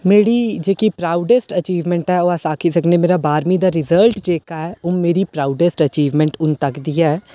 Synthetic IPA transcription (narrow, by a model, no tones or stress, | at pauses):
meːɽid͡ʒeːkipɾaːʊɖesʈət͡ʃiːʋmɛ̃ɳʈɛoasaːkʰisɐknemeːɾabaːɾmid̪aːɾɪzəlʈd͡ʒeːkaɦɛʊmmeːɾipɾaːʊɖesʈət͡ʃiːʋmɛ̃ɳʈʊnt̪əkd̪iɛ